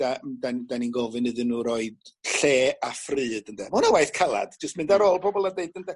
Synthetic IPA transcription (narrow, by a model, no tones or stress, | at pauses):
d̥adandaninɡɔvɨnɨðɨnuːɾɔɨd̥ɬeːafrɨːdəndʰɛmɔnawaɨθkʰalˠa̰d̥d͡ʒəst̚mɪndaɾolˠpʰɔbɔlˠadeɨdəndɛ